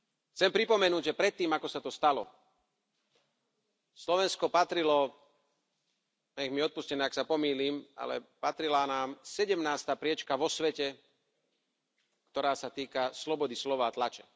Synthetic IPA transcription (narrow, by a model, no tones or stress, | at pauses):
xt͡sɛmpɾipɔmɛnuːɟʒɛpɾɛt̪ːiːmakɔsat̪ɔst̪alɔ̰ | slɔʋɛnskɔpat̪ɾilɔ | ɲɛɣmiɔt̪̚puscɛnɛːaksapɔmiːliːma̰lɛ̰pat̪ɾilaːnaːmsɛɟɛmnaːst̪aːpɾɪɛt͡ʃkaʋɔsʋɛcɛ | kt̪ɔɾaːsat̪iːkaslɔbɔd̪islɔʋaːt̪lat͡ʃɛ̥